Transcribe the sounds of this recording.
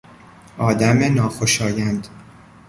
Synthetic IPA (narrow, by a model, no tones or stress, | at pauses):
ɒːd̪æmenɒːxoʃɒːjænd̪